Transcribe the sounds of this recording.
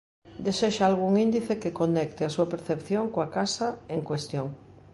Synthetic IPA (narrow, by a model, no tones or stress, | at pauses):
d̪eseʃaalɣuŋĩnd̪iθekekonek̚t̪easuapeɾθepθjoŋkoakasaeŋkwest̪joŋ